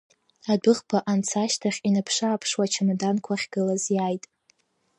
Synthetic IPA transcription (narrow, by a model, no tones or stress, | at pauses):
adɨχpʰaʔant͡sʰaʃtʰaχʲinapʰʂaːpʰʂwat͡ʃʰanadankʷʰaχʲɡ̥ɨlazjajtʼ